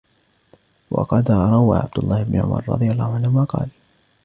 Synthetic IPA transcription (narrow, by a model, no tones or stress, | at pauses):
wɑ̰qɑd̪ɾˤɑwaːʕa̰b̚d̪ʊlˤːɑːhɪbnʊʕʊ̰mɑ̰ɾˤɾˤɑ̰d̪ˤɨjalˤːɑːhʊʕanhʊmaqɑ̰ːl